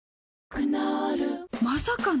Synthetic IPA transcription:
kɯnaɾɯmasakan

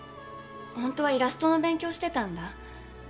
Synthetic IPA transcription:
hõ̞nt̪o̞β̞aiɾasɨ̥t̪o̞no̞bẽ̞ŋkʲo̞ːɕi̥t̪e̞t̪ãnd̪a

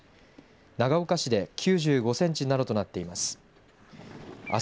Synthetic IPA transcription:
naɡaokaɕid̪e̞kʲʰɨːʑɨːɡo̞sẽ̞ɲ̟t͡ɕinad̪o̞t̪o̞nat̪ːe̞imasɨ̥ | a̰

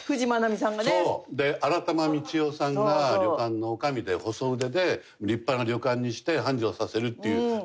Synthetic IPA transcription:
ɸɯ̟ʑimanamʲisãŋɡanod̪e̞ʔaɾat̪amamʲit͡ɕio̞ːsãŋɡɡaɾʲjo̞kãnːo̞ːkamʲid̪e̞ho̞so̞ɯ̟d̪e̞d̪e̞ | ɾʲipːanoɾʲo̞kãɲ̟ːiɕi̥t̪e̞ɦãɲ̟d͡ʑoːsase̞ɾɯ̟t̪ːejɯ

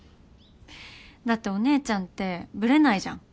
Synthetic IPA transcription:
d̪at̪ːe̞o̞ne̞ːt͡ɕãnt̪ːe̞bɯ̟ɾe̞naiʑã̰ŋ

